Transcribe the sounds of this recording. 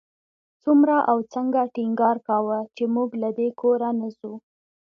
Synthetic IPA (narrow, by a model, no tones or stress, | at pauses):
t͡sumɾaʔawt͡səŋɡaʈiŋɡɑɾkawət͡ʃemuɡlad̪ekʰoɾanasu